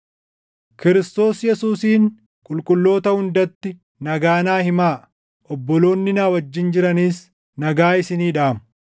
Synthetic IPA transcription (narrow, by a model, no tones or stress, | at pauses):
kɪɾɪst̪o̞ːsjɛsuːsiːn | kʼʊlkʼʊlːo̞ːt̪ɐhʊnd̪ɐt̪ːɪ | nɐɡaːnaːhɪmaː | ʔɔbːɔlo̞ːnːɪnaːwɐd͡ʒːɪnd͡ʒɪɾɐniːs | nɐɡaːɪsɪniːᶑaːmʊ